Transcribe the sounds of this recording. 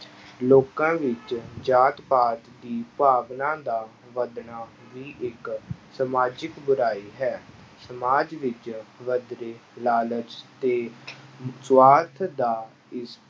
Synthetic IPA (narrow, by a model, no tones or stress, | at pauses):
loːkãːʋɪt͡ʃd͡ʒaːt̪paːt̪d̪iːpaːbnãːd̪aː | ʋəd̪naː | ʋiːʔɪksəmaːd͡ʒɪkbʊɾaːiːɦɛː | səmaːd͡ʒʋɪt͡ʃʋəd̪ɾeːlaːləd͡ʒt̪eː | t͡ʃwaːt̪ʰd̪aː | ɪs